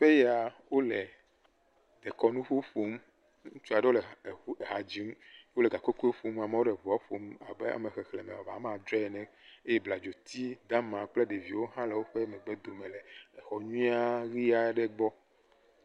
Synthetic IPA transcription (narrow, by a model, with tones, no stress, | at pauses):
ɸe˦ja˨wo˦le˨ | d̪̥ɛ˨kɔ˦nũ˦ɸu˦ɸo˦m˦ | ũ˦t͡ʃu˦a˨ɖe˦wo˦lɛ˨˦e˨ɦa˨d͡ʑi˨˦m˦o˦lɛ˨ɡa˨ko˦ke˦ɸo˦ma˨me˦wo˦ɖɛ˨vu˨a˦ɸo˨˦ma˨bɛ˦a̰˨me˨xɛ˨xlɛ˨mɛ̰̃˨a˨va̰˨˦mã˨d̪ɾɛ˦˨nɛ̃˦e˦jɛ˦bla˨d͡ʒo˨t̪i˦d̪a˦mã˨k͡ple˦ɖe˨vi˨wo˦ɦã˦lɛ˨wo˦ɸe˦mɛ̃˨ɡ͡bɛ˦d̪o˨mɛ̃˨lɛ˨ɛ˨xɔ˨ɲũ˦i˦a˦ɣi˦a˨˦ɖɛ˦ɡ͡bɔ˦